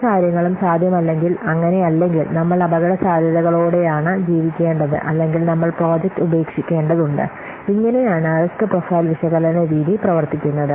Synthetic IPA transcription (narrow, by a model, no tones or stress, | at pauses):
kaːɾjɐŋːɐɭumsaːd̪ʱjɐmɐlːe̞ŋɡilɐŋːɐne̞ɐlːe̞ŋɡilnɐmːɐɭɐbʱɐɣɐɽɐsaːd̪ʱjɐðɐɣɐɭoːɽe̞jaːɳɨd͡ʑiːʋikʲːe̞ːɳɖɐðɨ̰ʔɐlːe̞ŋɡilnɐmːɐɭpro̞ːd͡ʑek̚ʈube̞ːkʂikʲːe̞ːɳɖɐðuɳɖɨ̰ | iŋːɐne̞jaːɳɨɐrɐsʈɨprofɐjlʋiʂɐɣɐlɐneʋiːðiprɐʋɐrt̪ikʲːunːɐðɨ